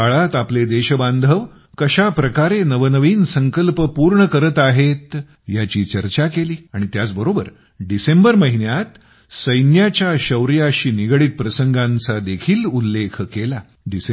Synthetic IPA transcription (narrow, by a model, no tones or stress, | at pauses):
aɭat̪apled̪eɕəbãnd̪ʱəʋ | kəɕapɾəkaɾenəʋənəʋiːnsəŋkəlpəpuɾɳəkəɾət̪aɦet̪ | jat͡ɕiːt͡ɕəɾt͡ɕakeliːaɽ̃it̪jat͡sbəɾobəɾ | ɖisembəɾməɦinjat̪ | səjnjat͡ɕjaɕəwɾijaɕiːniɡɭiːt̪̚pɾəsəŋɡʱãnt͡sad̪ekʰiːlulːekʰkela | ɖise